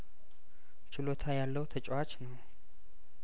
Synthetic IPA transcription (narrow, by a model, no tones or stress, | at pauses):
t͡ʃɪlot̪ʰajalːəwt̪ʰət͡ʃʼwat͡ʃnəw